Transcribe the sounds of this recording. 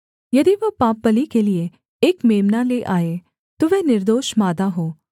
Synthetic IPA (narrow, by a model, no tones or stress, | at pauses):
jɐd̪iʋɐpaːpːəlikelie | eːkmeːmnaleʔaːe | t̪oʋɛːnɪɾd̪oːʃmaːd̪aɦoː